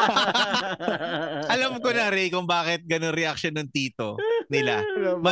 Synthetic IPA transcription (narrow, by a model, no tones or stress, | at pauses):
ʔɐlɐmkonɐɾɛjkʊŋbaːkɪt̪̚ɡɐnoŋɾɛʔɐk̚ʃonːɐŋt̪iːt̪o̰nɪlamɐ